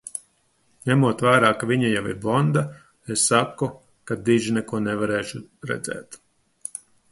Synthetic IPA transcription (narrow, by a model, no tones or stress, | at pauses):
ɲæmuɔt̪væːɾaːkavʲiɲajawḭɾbɔnd̪a | esːakːu | kad̪iʒinɛkuɔnɛvaɾɛːʃuɾɛ̰d̪zɛ̰ːt̪